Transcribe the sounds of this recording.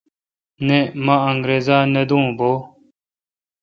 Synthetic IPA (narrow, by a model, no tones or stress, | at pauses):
nemɐ̃ɐŋɡɾeːzaːned̪ũːboː